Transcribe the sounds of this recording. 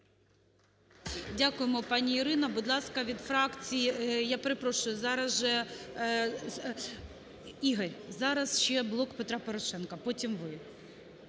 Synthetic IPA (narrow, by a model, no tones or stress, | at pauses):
dʲakʊjemɔpɑnʲiiɾɪnɐbʊd̪lˠɑskɐʋʲid̪fɾɑkt͡sʲijijapeɾepɾɔʃʊjʊzɑɾɐzʒɛ | iɦɐɾʲzɑɾɐzʃt͡ʃɛblˠɔkpet̪ɾɑpɔɾɔʃɛnkɐpɔtʲimʋɪ